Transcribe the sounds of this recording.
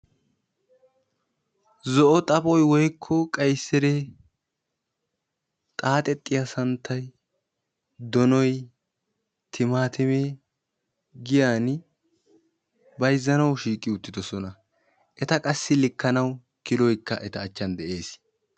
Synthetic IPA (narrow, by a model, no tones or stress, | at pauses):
zɔʔɔt̪ʼɐbɔjwɔjkʰːɔkʼɐjsːɛɾe | t̪ʼaːt̪ʼɛt̪ʼːɪjasɐnt̪ʰːɐj | d̪ɔnɔj | t̪ʰɪmaːt̪ɪmeː | ɡɪjaːn | bɐjzːɐnɐwʃiːkʼːɪʊt̪ːɪd̪ɔsɔnɐ | ʔɛt̪ɐkʼɐsːɪlɪkːɐnɐw | kɪlɔjkːɐʔɛt̪ɐːt͡ʃːɐnd̪ɛʔe̞ːs